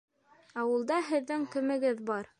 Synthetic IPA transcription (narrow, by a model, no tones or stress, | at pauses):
ɑwɤ̆lˠd̪ɑɦɘ̆ðːɘŋkɵ̆mɘ̆ɡɘðbɑɾ